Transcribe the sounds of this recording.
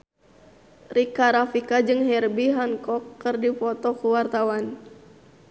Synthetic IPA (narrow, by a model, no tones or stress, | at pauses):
rikaɾafikad͡ʒɨŋɦɛrbiɦankɔkːɨrdipɔt̪ɔkuwart̪awan